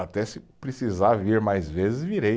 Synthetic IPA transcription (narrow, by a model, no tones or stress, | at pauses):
at̪ɛsɪpɾesizaɾviɾmajzvezɪzviɾe